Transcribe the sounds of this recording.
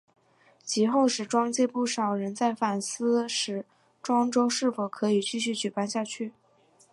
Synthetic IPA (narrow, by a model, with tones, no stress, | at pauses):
t͡ɕʰi˧˥xo˥˧ʊʂɻ̩˨˩ʈ͡ʂwɑ˥ŋt͡ɕjɛ˥˧pu˥˩ʂɑ˨˩ʊɻə˧˥nt͡sa˥˩ɪfa˨˩nsɹ̩˥ʂɻ̩˧˥ | ʈ͡ʂwɑ˥ŋʈ͡ʂo˥ʊʂɻ̩˥˩fo˨˩ʊkʰɤ˧˥i˨˩t͡ɕy˥˧ɕ̬y˥˩t͡ɕy˨˩pa˥˧nɕja˥˧t͡ɕʰy˥˩